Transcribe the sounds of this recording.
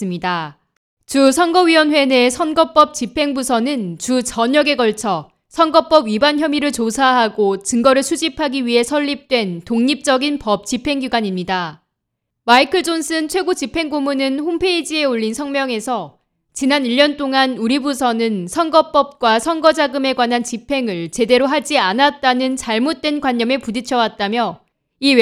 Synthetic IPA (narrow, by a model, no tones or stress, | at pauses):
ɯmɲida | t͡ɕusʰʌnɡʌɥiwʌnɸwe̞ne̞sʰʌnɡʌp͈ʌp̚t͡ɕipʰe̞ŋbusʰʌnɯnt͡ɕut͡ɕʌɲʌɡe̞ɡʌɭt͡ɕʰʌ | sʰʌnɡʌp͈ʌbɥibançjʌmiɾɯɭt͡ɕosʰaɦaɡot͡ɕɯŋɡʌɾɯɭsʰud͡ʑipʰaɡiɥiɦe̞sʰʌʎːip̚t͈we̞ntoŋɲip̚t͡ɕ͈ʌɡinpʌp̚t͡ɕ͈ipʰe̞ŋɡiɡwaɲimɲida | maikʰɯɭd͡ʑons͈ʰɯnt͡ɕʰwe̞ɡot͡ɕipʰe̞ŋɡomunɯnɸompʰe̞id͡ʑie̞oʎːinsʰʌŋmjʌŋe̞sʰʌ | t͡ɕinaniʎːʌnt͈oŋanuɾibusʰʌnɯnsʰʌŋɡʌp͈ʌp̚k͈wasʰʌŋɡʌd͡ʑaɡɯme̞ɡwanɦant͡ɕipʰe̞ŋɯɭt͡ɕe̞de̞ɾoɦad͡ʑianat̚t͈anɯnt͡ɕaɭmot̚t͈we̞nɡwaɲːʌme̞pudit͡ɕʰʌwat̚t͈amjʌ | i